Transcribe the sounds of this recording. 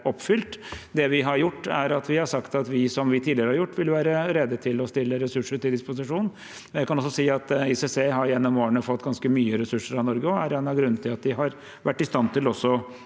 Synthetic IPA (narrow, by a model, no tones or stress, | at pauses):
ɔpːfʏlt̪d̪ɛʋɪɦɑɾjʊʈːæɾɑt̪ʋɪhɑʂɑkt̪ɑt̪ʋɪsɔmʋɪt̪ʰiːd̪lɪəɾəhɑɾjʊʈːʋɪlʋæːɾəɾɛd̪ːət̪ʰɪlɔst̪ɪlːəɾɛsʉʂəʈɪld̪ɪspʊs̬ɪʂuːn | ɔnjæɪkɑnɔsːɔsiːɑt̪ɪsɛseːɦɑɾjɛnːɔmoːəɳəfɔt̪ːɡɑnskəmyːəɾɛsʉʂːəɾɑnɔɾɡəɔæɾɛnɑɡɾʉnːət̪ʰːɪlɑt̪̚d̪ɪɦɑɾ | ʋæʈːɪst̪ɑnt̪ɪlɔsːɔ